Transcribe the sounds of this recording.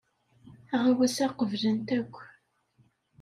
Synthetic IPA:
æʁawæsæqəvlənt̪ækʷː

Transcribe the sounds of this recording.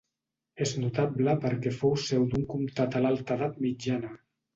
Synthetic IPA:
eznut̪abləpəɾkɛfowsɛwd̪uŋkumt̪at̪alalˠt̪əðat̪mid͡ʒanə

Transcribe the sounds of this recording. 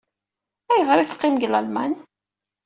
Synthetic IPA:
æjəʁɾiθə̥qːɪmɡləlmæn

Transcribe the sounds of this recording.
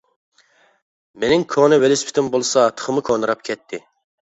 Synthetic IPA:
menɪŋkʰonɨwelɪspʰɪ̥t̪ʰɪmbolˠsɑt̪ʰə̥χʰəmɨkʰonɨɾɑp̚kʲʰɛt̪ʰːɪ

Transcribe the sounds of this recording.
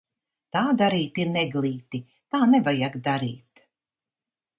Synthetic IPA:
t̪aːd̪aɾiːt̪iɾnɛɡlˠiːt̪i | t̪aːnɛvajaɡd̪aɾḭːt̪

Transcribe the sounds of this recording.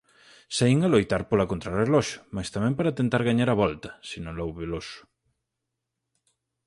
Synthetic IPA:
saiŋalojt̪aɾpolɐkont̪ɾarelɔʃʊ̥majst̪amɛ̃mpaɾat̪ent̪aɾɣaɲaɾɐβɔlt̪ɐ̥sinõlowβelosʊ̥

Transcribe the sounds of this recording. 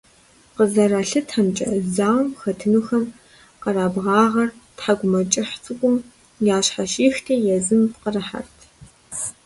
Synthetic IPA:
qəzɐraɬɨtħamt͡ʃʼɐ̰zaːwmxɐtʰɨnuːxɐm | qɐraːbʁɑːʁɐrtħaɡʷʊmɐt͡ʃʼɪħt͡sʼɨkʷʼʊm | jaːɕħaʃiːxtʰeːjɛzɨmqərɐħa̰rtʰ

